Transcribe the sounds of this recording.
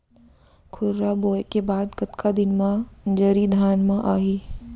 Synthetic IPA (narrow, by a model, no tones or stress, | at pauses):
kʰʊɾɾaboːjkebaːd̪kɐt̪kʰad̪ɪnmãd͡ʒɐɾid̪ʱaːnmãʔaːɦiː